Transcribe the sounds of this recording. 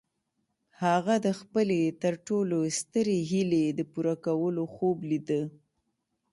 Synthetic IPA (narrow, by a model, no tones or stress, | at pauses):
haɣad̪əxpəlet̪əɾʈolost̪əɾeɦiled̪əpuɾakawəloxoblid̪ə